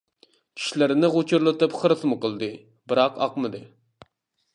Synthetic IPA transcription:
kʲʰi̥ʃlɪɾɪnɪʁot͡ʃʰuɾlˠɨt̪ɨpχəɾɨsmɨqəlˠd̪ɨ | bɨɾɑqɑ̰qmɨd̪ɨ

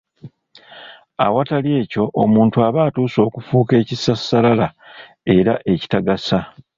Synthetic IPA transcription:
a̰watalje̞ːco̞ʔomuːntuaβaːtuːso̞ːkufuːke̞ːcisasːalala | e̞ɾaʔe̞ci̥taɡasa

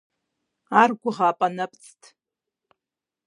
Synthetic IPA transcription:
arɡʷʊʁaːpʼanapʼt͡sʼtʰʼ

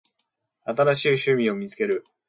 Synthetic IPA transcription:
at̪aɾaɕiːɕɨmʲĩo̞mʲit͡sɨ̥ke̞ɾɯ̟

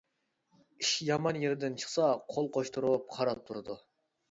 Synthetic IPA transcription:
iʃjɑmɑnjeɾd̪ɪnt͡ʃʰə̥χsɑqʰolˠqʰoʃt̪ʰuɾup̚qʰɑɾɑp̚t̪ʰuɾɨd̪u

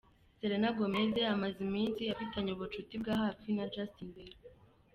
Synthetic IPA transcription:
seɾenaɡomezeamazimiːnsiafitaɲeuβut͡ʃutibɡaɦafinad͡ʒastinbeɾ

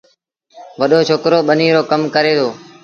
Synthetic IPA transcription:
ʋəɗoːt͡ʃʰoːkɾoːɓəniːɾoːkəmkəɾeːt̪ʰoː

